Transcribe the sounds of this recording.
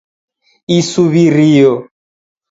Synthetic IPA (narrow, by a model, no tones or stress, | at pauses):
isuβiɾiɔ